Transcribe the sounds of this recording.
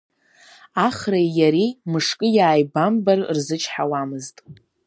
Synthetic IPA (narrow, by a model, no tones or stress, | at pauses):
aχrajjaɾimɨʂkʼɨjaːjbambarrzɨt͡ʃʰħawamɨztʼ